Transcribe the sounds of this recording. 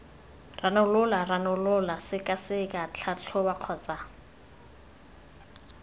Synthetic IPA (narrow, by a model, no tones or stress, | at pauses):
ranʊlʊlaranʊlʊlasɪkʼasɪkʼat͡ɬʰat͡ɬʰʊbaq͡χʰɔːt͡sʼa